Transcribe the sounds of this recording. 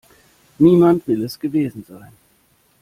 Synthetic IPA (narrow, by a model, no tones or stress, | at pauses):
niːmantv̥ɪlɛsɡ̥əveːzn̩zaɪn